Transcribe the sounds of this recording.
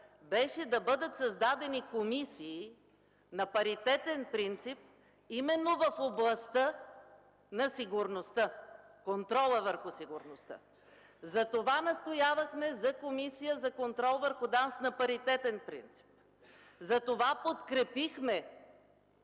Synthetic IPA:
bɛʃɛd̪ɐbɤd̪ət̪sɐzd̪ad̪ɛnikomisiː | nɐpɐɾit̪ɛt̪ɛnpɾint̪sip̚ | imɛnːovɐfoblˠɐst̪ə | nɐsiɡʊɾnost̪əkont̪ɾɔlˠəvəɾxʊsiɡʊɾnost̪ə̰ | zɐt̪ovanɐst̪ojavɐxmɛzɐkomisijəzɐkont̪ɾɔlˠvəɾxʊd̪ansnɐpɐɾit̪ɛt̪ɛnpɾḭnt̪si̥p̚ | zɐt̪ovapot̪kɾɛpixmɛ

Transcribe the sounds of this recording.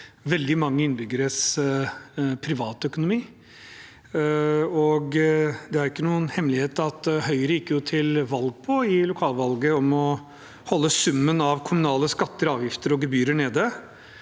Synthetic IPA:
ʋɛld̪ɪmɑŋːəɪnːəbʏɡəɾəs | pʰɾɪʋɑːt̪œkʊnʊmiː | ɔɡd̪ɛæɾɪkːənuːənhɛmlɪheːt̪ɑt̪hœʏəɾəjɪkːjʊt̪ʰɪlʋɑlɡ̚pʰɔɪlʊkʰɑːlʋɑlɡəɔmɔ | hɔlːəsʉmːənɑʋkʰʊmʉnɑːləskɑt̪ːəɾɑːʋjɪft̪əɾɔɡəbyːɾəɳeːd̪ə

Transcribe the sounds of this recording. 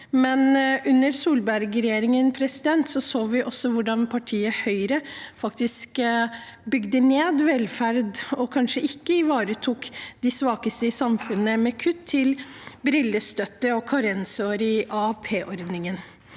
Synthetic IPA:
mɛnʉnːəɾsuːlbæɾɡɾɛjeːɾɪŋənpʰɾɛsɪd̪ɛnt̪sɔsoːʋɪʔɔsɔʋʊɖɑnpʰɑʈʰiːəhœʏɾəfɑkt̪ɪsk | bʏɡd̪əneːd̪ʋɛlfæɾd̪ɔkʰɑnʂəʔɪkːəɪʋɑːɾət̪ʰuːkd̪ɪsʋɑːkəst̪əɪsɑmfʉnːəmɛkʰʉt̪ʰːɪlbɾɪlːəst̪œt̪ːəɔkʰɑɾɛnsoːɾɪʔɑpʰeːʔɔɾd̪nɪŋən

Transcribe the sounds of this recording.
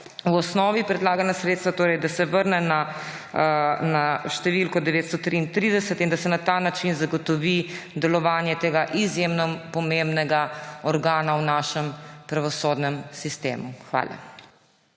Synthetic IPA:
wɔsnɔːʋipɾɛd̪laːɡanasɾet̪st̪ʋat̪oːɾɛjd̪asɛʋəɾnɛna | naʃt̪ɛʋilkɔd̪ɛʋeːt̪st̪ɔt̪ɾiːnt̪ɾiːd̪ɛsɛt̪ind̪asɛnat̪anat͡ʃinzaɡɔt̪ɔʋid̪ɛlɔʋaːnjɛt̪eːɡaʔizjemnɔpɔmembnɛɡaɔɾɡaːnawnaːʃɛmpɾaʋɔsoːd̪nɛmsist̪ḛːmuxʋa̰ːlʔa̰

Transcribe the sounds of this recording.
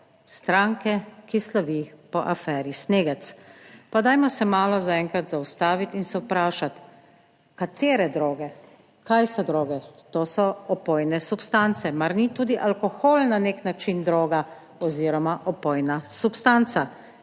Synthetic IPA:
st̪ɾaŋkɛkislaʋipɔʔafɛːɾisneːɡɛt̪spad̪ajmɔsɛmaːlɔzaɛŋkɾat̪zaust̪aːʋit̪insɛwpɾaːʃat̪ | kat̪eːɾɛd̪ɾoːɡɛ | kʰajsɔd̪ɾoːɡɛt̪oːsɔɔpojnɛsupst̪ant̪sɛmaɾnit̪uːd̪iʔalkɔxoːlnaneknat͡ʃind̪ɾoːɡa | ɔziːɾɔmaʔɔpojnasupst̪ant̪sa

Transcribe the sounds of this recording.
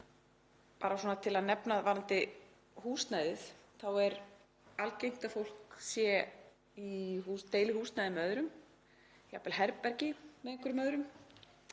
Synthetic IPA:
paːɾasɔnat̪ʰɪlaðnɛpnaðvanant̪ɪ | huːst̪najðɪθθawɛɾ | alcejm̥t̪afowl̥ksjɛ | ihust̪eːjlɪhuːst̪najðɪmœðɾʏm | ja̰pɛlɦɛɾpːɛɾcɪmɛðɪŋkʰʏɾmœðɾʏm

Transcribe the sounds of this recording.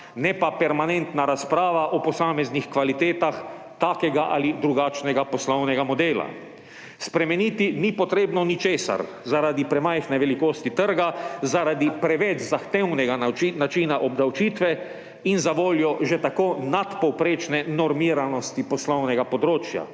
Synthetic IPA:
nɛpapɛɾmanɛnt̪naɾaspɾaːʋaʔɔpɔsaːmɛznixkʋalit̪eːt̪ax | t̪aːkɛɡaʔa̰lid̪ɾuɡaːt͡ʃnɛɡapɔslɔwnɛɡamɔd̪eːla̰ | spɾɛmɛniːt̪inipɔt̪ɾeːbnɔnit͡ʃeːsa̰ɾ | zaɾaːd̪ipɾɛmajxnɛʋɛlikoːst̪it̪əɾɡazaɾad̪ipɾɛʋɛt͡ʃzaxt̪ewnɛɡanat͡ʃiːnaʔɔbd̪awt͡ʃiːt̪ʋɛ | inzaʋoːljɔʒɛt̪akoːnat̪pɔwpɾeːt͡ʃnɛnɔɾmiːɾanɔst̪ipɔslɔwnɛɡapɔd̪ɾoːt͡ʃja̰

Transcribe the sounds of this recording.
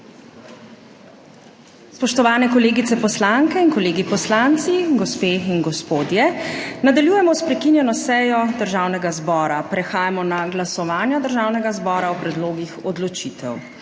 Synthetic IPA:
spɔʃt̪ɔʋaːnɛkɔleːɡit̪sɛpɔslaŋkɛinkɔleːɡipɔslant̪siɡɔspeːinɡɔspoːd̪jɛnad̪aljuːjɛmɔspɾɛkinjɛnɔsɛːjɔd̪əɾʒaːwnɛɡazbɔːɾapɾɛxaːjamɔnaɡlasɔʋaːnjad̪əɾʒaːwnɛɡazbɔːɾawpɾɛd̪loːɡixɔd̪lɔt͡ʃit̪ɛ̰w

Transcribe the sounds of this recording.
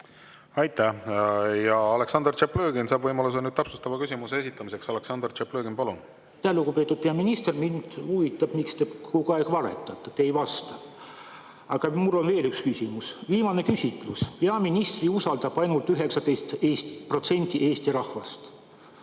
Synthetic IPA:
ɑjt̪ːˑæ | jɑɑle̞ksɑnd̪rt͡ʃepløːɡ̥insɑːbvɤjmɑlus̬enyːd̪t̪ɑpsust̪ɑvɑkysimuseesit̪ˑːɑmise̞ksɑleksɑnd̪rt͡ʃepløːɡinpɑlun | t̪æhlukupe̞ːt̪ːud̪̥̚peɑminist̪ermind̪̥uvit̪ːˑɑb̥mikst̪ekokuɑeɡ̥vɑɾḛt̪ːˑɑt̪ːˑet̪eejvɑst̪ɑ̥ | ɑɡ̥ɑmulːo̞nve̞ːlykskysimusviːmɑne̞kysʲit̪ːˑluspeɑminist̪riusɑld̪̥ɑb̥ɑjnult̪ˑyɦe̞ksɑd̪e̞jst̪eːst̪pro̞t̪se̞nʲt̪ʲiʔe̞ːst̪iɾɑhvɑst̪

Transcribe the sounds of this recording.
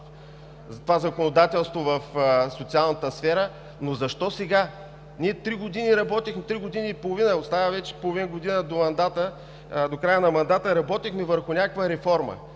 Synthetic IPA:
zɐt̪ovazɐkonod̪at̪ɛlˠst̪vovəfsot̪sialˠnət̪əsfɛɾə | nozɐʃt̪ɔsɛɡa | niɛt̪ɾiɡod̪iniɾɐbɔt̪ixmɛt̪ɾiɡod̪iniipolˠovinəot̪st̪avəvɛt͡ʃɛ̥polˠovinəɡod̪inəd̪omɐnd̪at̪ə | d̪okɾajənɐmɐnd̪at̪əɾɐbɔt̪ixmɛvəɾxʊnʲakəkvəɾɛfɔɾmə̰

